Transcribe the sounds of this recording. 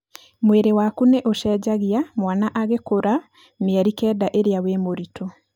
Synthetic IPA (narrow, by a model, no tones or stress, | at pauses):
mweɾewakuneʔoʃɛːd͡ʑaɣeamwanaʔaɣekoɾa | meaɾikɛːdaʔeɾeawemoɾitʰo